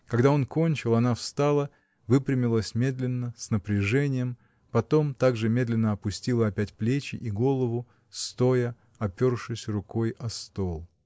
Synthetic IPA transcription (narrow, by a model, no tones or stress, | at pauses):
kɐɡd̪ao̞nko̞nʲt͡ɕɪlˠɐnafst̪alˠə | vɨpɾʲɪmʲɪlˠəsʲmʲe̞d̪lʲɪnːəsʲnəpɾʲɪʐɛnʲɪjəm | pɐt̪o̞mt̪aɡʐɨmʲe̞d̪lʲɪnːəɐpʊsʲtʲilˠəɐpʲætʲplʲet͡ɕɪ̰ʔiɡo̞lˠəvʊ | st̪o̞jə | ɐpʲo̞rʂɨsʲrʊko̞jʔɐst̪o̞lˠ